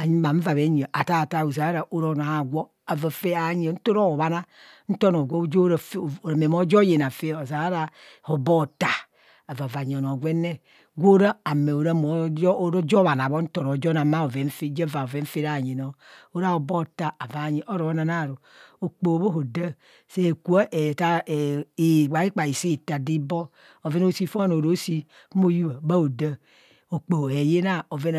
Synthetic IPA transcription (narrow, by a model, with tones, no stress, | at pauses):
a˨ɲi˦ma˨ɱ̩˦va˨βe˨˦ɲ˨o˨ʔa˨ta˦˨ta˦˨o˨za˨a˦ɾa˨ʔo˦ɾo˦˨na˨a˨ɡʷo˦ | a˨va˨fe˦a˨˦ɲi˨n̩˦to˦ɾo˦o˨βa˦na˦ | n̩˦to˦no˨ɡʷo˦˨˦d͡ʒɾo˨ɾa˨me˨mo˦d͡ʒo˦je˨na˨fe˦o˨za˨ɾa˦ɾa˦˨ | ho˨bo˦˨ta˦ | a˨va˨va˨ɲ˨o˨n˨o˨ɡʷe˦ne˦ | ɡʷo˦ɾa˦a˨me˨o˨ɾa˦mo˨˦ɾo˦d͡ʒɔ˦βa˨n˨a˨bo˦n̩˦to˦˨no˨˦d͡ʒo˦na˨ma˦o˨vɛ˨ɱ̩˦fe˦d͡ʒe˦va˨o˨vɛ˨˦ɱ̩˦fe˦ɾa˦˨ɲi˨no˦o˦ɾa˦o˨bo˦˨ta˨a˨va˨ɲi˨ʔo˦ɾo˨˦na˨na˦˨ɾo˨o˨k͡po˨bo˦ɦo˨də˦ | se˦˨ku˨a˦ʔe˨ta˦˨e˨ɡ͡ba˨˦i˦k͡pa˨i˨si˦˨ta˨di˦bɔ˦ | o˨ve˦n˦o˦si˦fo˦no˨ɾo˦si˦ | mo˦˨ju˦βa˨ba˦o˨də˦ | o˨k͡po˨e˨je˦na˦o˨ve˦n